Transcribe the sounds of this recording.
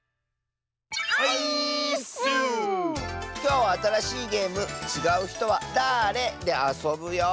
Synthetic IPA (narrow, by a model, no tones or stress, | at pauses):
haisɯ | kʲo̞ːβaːt̪aɾaɕiːɡe̞ːmɯ̟t͡ɕiɡaɯ̟çi̥t̪o̞βad̪aɾe̞d̪e̞aso̞bɯ̟jo̞